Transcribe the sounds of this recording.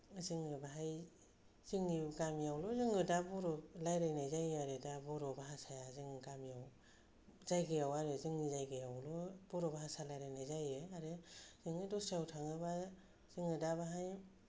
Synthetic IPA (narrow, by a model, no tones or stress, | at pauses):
zɯŋɯbaɦaj | zɯŋiɡamijawlɔzɯŋɯdabɔɾɔlajɾajnajzajaɾɯdabɔɾɔbaɦasajazɯŋiɡamijaw | zajɡɯjawaɾɯzɯŋizajɡɯjawlɔbɔɾɔbaɦasalajɾajnajzajɯaɾɯzɯŋɯdɔstajawtʰaŋɯba | zɯŋɯdabaɦaj